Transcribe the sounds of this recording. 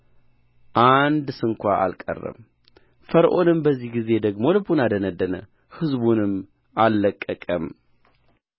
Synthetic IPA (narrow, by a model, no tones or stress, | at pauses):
ʔand̪sɨŋkʷaʔa̰lkʼə̰rːə̰m | fəɾʔo̞nɨmbəzːihɡize̞d̪əɡmo̞lɨbunad̪ənəd̪ːənə̰ | hɨzbunɨm | ʔalːəkʼːəkʼəm